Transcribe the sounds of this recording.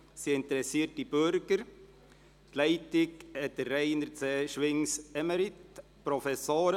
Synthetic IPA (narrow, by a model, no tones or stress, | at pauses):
siɪnt̪əɾɛsiːət̚dib̥øɾɡ̥əɾ | tlɛɪtɪkɛtəːɛɪnəɾt͡seːʃʋɪŋsɛməɾɪtpɾɔfɛsoːɾə